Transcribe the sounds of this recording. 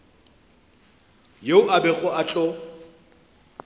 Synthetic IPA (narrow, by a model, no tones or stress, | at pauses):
jeʊʔabɛɣʊat͡ɬʼɔ